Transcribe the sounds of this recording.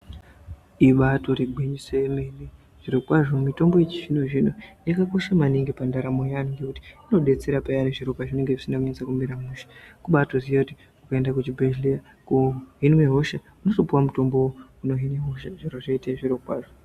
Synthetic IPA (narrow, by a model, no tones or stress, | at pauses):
iɓato̞riɡʱwiɲisemeine | ʐ̥iɾokwaʐo̞mumito̞mbo̞jet͡ʃi̥ʐinoʐinojakako̞ʃamaniŋɡepandaɾamo̞janŋɡekuti̥ino̞ɗe̞t͡se̞ɾapajaneʐiɾokwaʐine̞ŋɡe̞ʐisindakuɲet͡sakumiɾamuːʃḁkuɓatozijakuti̥ | ukaendakut͡ʃibʱeʒlia | kuɦinweɦo̞ʃa | uno̞so̞puwamuto̞mbowouno̞ɦinweɦoʃaʐiɾoʐaitaʐiɾo̞kwaːʐo